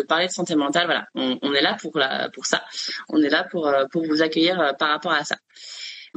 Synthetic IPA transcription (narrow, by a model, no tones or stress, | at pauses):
əpaʁled̪əsɑ̃t̪emɑ̃t̪alvwala̰ɔ̃ɔ̃nɛlapʰuʁla̰puʁsa̰ɔ̰̃nɛlapuʁøpuʁvuzakʲœjiʁøpaʁːapɔʁasa̰